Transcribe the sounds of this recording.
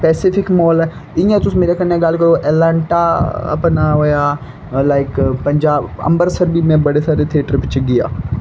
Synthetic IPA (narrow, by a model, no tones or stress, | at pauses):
pɛːsɪfɪkmɔːlɛ | ij̃t̪ʊsmeːɾekɐnẽɡaːlkɐɾoʔɛːlaːɳʈaɐ̰pnaɦoja | laːɪkpɐ̃ɲd͡ʒaːbɐ̰̃mbəɾsəɾbʱimɛ̃bɐɽesaːɾet̪ʰiəʈəɾpɪt͡ʃʰeɡɪja̰ː